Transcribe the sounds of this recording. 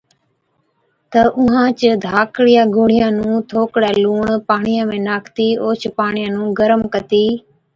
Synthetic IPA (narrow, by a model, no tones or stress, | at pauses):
t̪əʔʊɦãːt͡ʃəd̪ʱaːkɽijaːɡʱʊɽ̤ɪjãːnũːt̪ʰoːkɽaːluːɳpaːɳɪjãːmẽːnaːkt̪iːoːt͡ʃʰpaːɳɪjãːnũːɡəɾəmkət̪iː